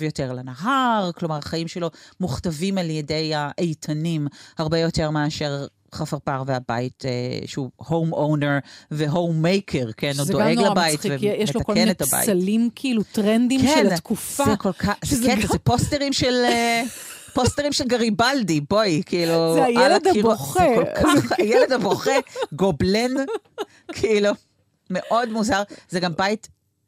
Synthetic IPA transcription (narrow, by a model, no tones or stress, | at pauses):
vjoteʁlanaɦaʁklo̞maʁaχajimʃelo̞muχtavimaljedejaʔejtʰanimhaʁbejoteʁmeaʃeʁ | χafaʁpaʁveaba̰itḛʃeuhowmowneʁveɦowmːejkʰeʁkenuzdoeɡlabajitvejɛʃeloakokenet̪aba̰jialimkʰiilutʁend̪ikmʃent̪kufaekolkʰazeketaeposteʁimʃelepost̪eʁimʃelɡaʁibaldibo̞jkʰiiːluajelediuχekolkʰaχajɛled̪aboχeɡoblen | kʰiilu | me̞ʔo̞dmuzaʁzeɡambait